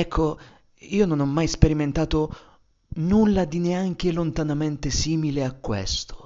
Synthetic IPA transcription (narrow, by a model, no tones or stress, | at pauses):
ɛkʰːo | iːononɔmːajspeɾiment̪aːt̪o | nulːad̪ineaŋk̟elont̪anament̪esiːmileakːwḛst̪o̥